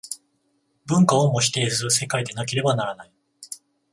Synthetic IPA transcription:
bɯ̟̃ŋkaomo̞ɕi̥t̪e̞ːsɨɯse̞kaid̪e̞nak̬e̞ɾe̞banaɾanai

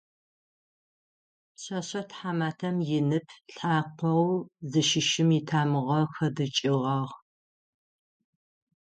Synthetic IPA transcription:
pɕɐɕɐtħaːmaːtʰɐmjɪnɨpʰɬħaːqʷɔwzɨʃɪʃɪmitʰaːmɨʁɐxɐdɨt͡ʃʼɪʁɑʁ

